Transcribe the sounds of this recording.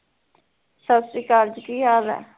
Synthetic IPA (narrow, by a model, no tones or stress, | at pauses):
səbsɾiːkaːɾd͡ʒkiːaːʋɛ̰ː